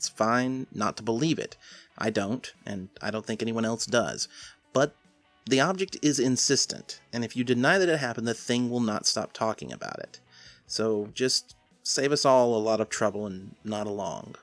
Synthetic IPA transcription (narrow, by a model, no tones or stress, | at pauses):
tsfãɪ̃nːə̰tʰəbəlivɪ̰tʔa̰ɪdõʊ̃ntʔɨ̃naɪɾõʊ̃nθɪ̃ŋkɛñiwʌ̃ñɛlˠsd̥ʌ̰z̥b̥ʌt̪̚ | ðiɑb̚d͡ʒɨk̚tɪzɪ̃nsɪstɨ̰̃ntɨ̃nɨfjɨdɨnaɪðɨɾɨt̚ɦæpn̩ðɨθɪ̃ŋwɪlˠnə̰tstɑ̰p̚tʰɔkɪ̰̃ŋɨ̰ba̰ʊɾɪ̰t̚ | soʊd͡ʒʌst | seɪvʌsɔlˠəlɔɾʌv̥tʰɹ̥ʌbl̩ˠə̃nːəɾəlɔ̰̃ŋ